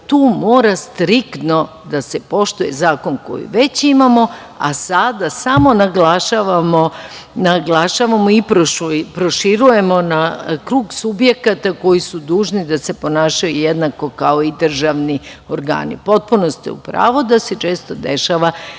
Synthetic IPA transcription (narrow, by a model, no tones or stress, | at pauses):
t̪uːmo̞ːɾast̪ɾikt̪no̞ | d̪asepo̞ʃt̪uje̞̰zaːko̞nko̞̰jḭʋe̞t͡ɕimamo̞ | a̰sad̪asamo̞naɡlaʃaʋamonaɡlˠaʃaʋamoipɾoʃupɾoʃiɾuje̞mo̞nakɾuːɡsubje̞kat̪ako̞jisud̪uːʒnid̪ase̞po̞naːʃajujed̪nako̞kao̞id̪r̩ʒaʋnioɾɡa̰ːnḭpo̞t̪̚punost̪ḭṵpɾa̰ːʋod̪ase̞t͡ʃe̞ːst̪o̞d̪e̞ʃaʋa